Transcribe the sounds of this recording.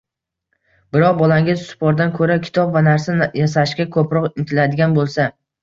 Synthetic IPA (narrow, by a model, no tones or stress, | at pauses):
bɪɾɒq̚bɒlaŋʲɪzsʊ̥pʰɒɾd̪ankʰɵɾakʲʰɪ̥t̪ʰɒpvanaɾsajasaʃkʲakʰɵpɾɒqɪnt̪ʰɪlad̪ɪɡʲanbolˠsa